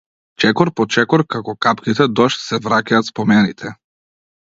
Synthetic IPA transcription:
t͡ʃɛkɔɾpɔt͡ʃɛkɔɾkakɔkapkit̪ɛd̪ɔʃt̪sɛvɾacaːt̪spɔmɛnit̪ʰɛ

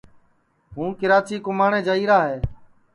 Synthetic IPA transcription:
ɦũːkɪɾaːt͡ʃiːkʊmaːɳẽːd͡ʒaːiːɾaːɦeː

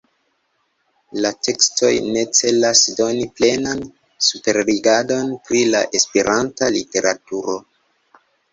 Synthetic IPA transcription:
late̞kstʰo̞jne̞t͡se̞lasdo̞niple̞nan | supe̞ɾliɡado̞npɾilaʔe̞speɾʔantalite̞ɾatuɾo̞

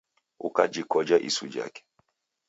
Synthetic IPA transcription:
ṵkad͡ʒikɔd͡ʒaʔḭsud͡ʒa̰kɛ̥

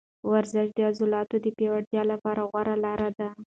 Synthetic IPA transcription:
waɾzɪʃd̪əazulɑt̪od̪əpjewaɽt̪jɑlapɑɾaɣwaɾalɑɾad̪a

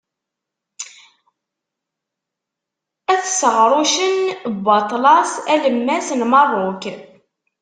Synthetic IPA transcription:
æθsəʁɾˤʊʃənbɑt̪ˤlɑsæləmːæsnmɑrˤːok

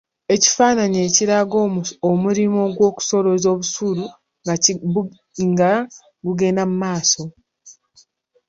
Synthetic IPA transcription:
e̞ci̥faːnaɲe̞ːciɾaɡomomuɾimo̞ɡwo̞ːku̥so̞ɾo̞zo̞ːβusuɾu | ŋɡa | ŋɡa | ɡuɡe̞namumaːso̞

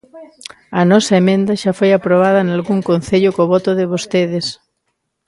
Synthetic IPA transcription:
ɐnɔsɐemẽnd̪ɐʃafojapɾoβ̞að̞ɐnalɣuŋkon̟θeʎʊkoβɔt̪oðɪβ̞ost̪eðes

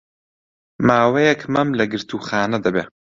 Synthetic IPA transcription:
maːwejɛkmɐmlɐɡɨɾt̪ʰuːxaːnɐd̪ɐbeː

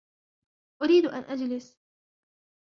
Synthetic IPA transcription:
ʔʊɾiːd̪ʔa̰nʔad͡ʒlɪs

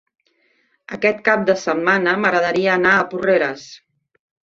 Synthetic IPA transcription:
əkɛt̪̚kap̚d̪əsəmːanəməɣɾəðəɾiəːnaəpureɾəs

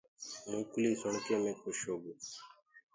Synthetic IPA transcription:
mũːkuliːsɔɳkeːmẽːkʰoʃoːɡu

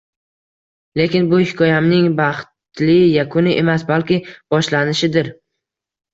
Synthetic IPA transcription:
le̞kʲɪnbʊhɪkʰɒjamnɪŋbɑχt̪lɪjakʰʊnɪʔe̞masbalkʲɪb̥ɒʃlanɪʃɪd̪ɪɾ

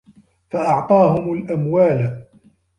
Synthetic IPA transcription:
faʔɑʕt̪ˤɑːhʊmalʔamwaːl

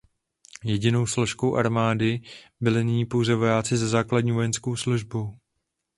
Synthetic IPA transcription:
jɛɟɪno̞wslo̞ʃko̞wʔaɾmaːdɪbɪlɪnɪɲiːpo̞wzɛvo̞jaːt͡sɪzazaːkladɲiːvo̞jɛnsko̞wsluʒbow

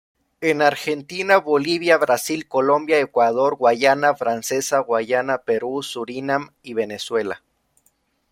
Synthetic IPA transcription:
enaɾxe̞nt̪inaβo̞liβjaβɾasilko̞lo̞mbjaekwað̞o̞ɾɣwaʝanafɾanse̞saɣwaʝanape̞ɾusuɾinam | iβe̞ne̞swe̞la̰

